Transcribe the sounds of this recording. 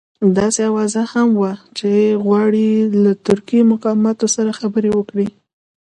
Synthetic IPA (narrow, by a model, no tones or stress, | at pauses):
d̪ɑseawɑzahamwat͡ʃeɣwɑɽilat̪ʊɾkimʊqɑmɑt̪osaɾaxabəɾewəkɽi